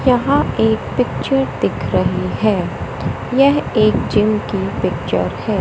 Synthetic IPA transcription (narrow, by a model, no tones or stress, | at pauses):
jɐɦãeːk̚pɪk̚t͡ʃəɾd̪ɪkʰɾɐɦiɦɛː | jɛɦeːkd͡ʒɪmkipɪkt͡ʃə̰ɾhɛː